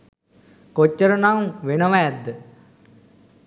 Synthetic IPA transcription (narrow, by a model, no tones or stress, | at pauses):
kot͡ʃːəɾənawʋenəʋaɛd̪ːə